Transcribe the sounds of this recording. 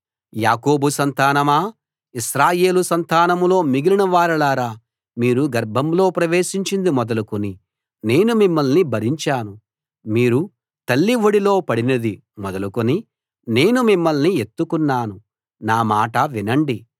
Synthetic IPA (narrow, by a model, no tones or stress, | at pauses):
jaːko̞ːbusɐnt̪aːnɐmaː | iʃɾaːje̞ːlusɐnt̪aːnɐmlo̞ːmiɡilinɐʋaːɾɐlaːɾaː | miːɾuɡɐɾbʱɐmlo̞ːpɾɐʋe̞ːʃiɲt͡ʃind̪imɔd̪ɐlukoni | ne̞ːnumimːɐlnibʱɐɾiɲt͡ʃaːnu | miːɾu | t̪ɐlːiʋoɽilo̞ːpɐɽinɐd̪i | mɔd̪ɐlukoni | ne̞ːnumimːɐlnie̞t̪ːukunːaːnu | naːmaːʈɐʋinɐɳɖi